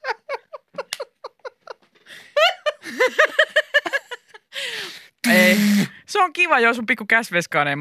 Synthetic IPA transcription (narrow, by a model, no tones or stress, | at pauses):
eiseoŋkiʋɑjosumpikːukæsʋeskɑnem